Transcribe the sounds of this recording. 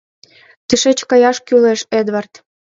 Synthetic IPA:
t̪iʃet͡ɕkɑjɑʃkyleʃed̪βɑrt̪

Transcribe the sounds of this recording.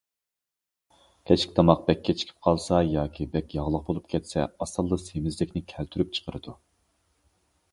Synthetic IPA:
kʲʰɛt͡ʃkʲi̥t̪ʰɑmɑq̚b̥ɛkʲʰːɛt͡ʃʰkʲʰi̥p̚qʰɑlˠsɑjɑːkʲʰibɛkʲjɑʁlˠəq̚bolˠup̚kʲʰɛt̪sɛɑsɑlˠːəsemɪzlɪkʲnɪkʲʰɛlt̪ʰyɾyp̚t͡ʃʰə̥qʰəɾɨd̪u

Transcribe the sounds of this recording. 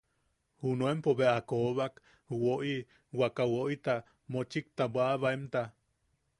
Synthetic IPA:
hunoempoβeʔakoβak | woʔi | wakawoʔit̪a | mot͡ʃik̚t̪abwaβaemt̪a

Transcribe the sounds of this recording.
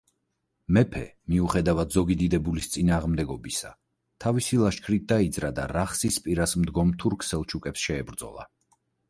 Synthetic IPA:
mɛpʰɛ̰ | miuχɛd̪avad̪zɔɡid̪id̪ɛbulist̪sʼinaːʁmd̪ɛɡɔbisa̰ | t̪ʰavisilˠaʃkʰɾit̪̚d̪aid̪zɾad̪aɾaχsispʼiɾasmd̪ɡɔmt̪ʰuɾkʰsɛlˠt͡ʃʰukʼɛpsʃɛːbɾd̪zɔ̰lˠa̰

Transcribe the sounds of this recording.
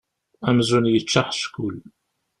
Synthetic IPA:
æmzunjət͡ʃːaħʃkul

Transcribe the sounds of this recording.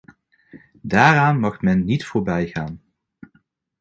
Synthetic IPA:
daːraːnmɑχmɛnːitfʊːɹbɛjχaːn

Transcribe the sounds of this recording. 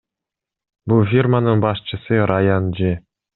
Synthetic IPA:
bulˠfʲirmanɯnbɑʃt͡ʃɯsɯɾajand͡ʒi

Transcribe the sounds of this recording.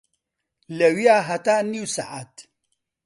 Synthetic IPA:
lɐwijaːɦɐt̪aːniwsa̰ʔa̰t̪

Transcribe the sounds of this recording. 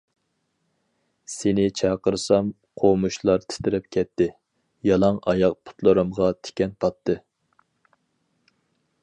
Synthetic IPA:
senɪt͡ʃʰɑqəɾsɑm | qʰomuʃlˠɑɾt̪ʰɪ̥t̪ʰɪɾɪp̚kʲʰɛt̪ʰːɪ | jɑlˠɑŋɑjɑq̚pʰʊ̥t̪ʰlˠɨɾɨmʁɑt̪ʰɪ̥kʲɛnpʰɑt̪ʰːɨ

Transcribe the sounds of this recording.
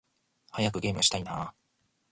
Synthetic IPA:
hajak̬ɯ̟ɡʲe̞ːmɯɕi̥t̪ainaː

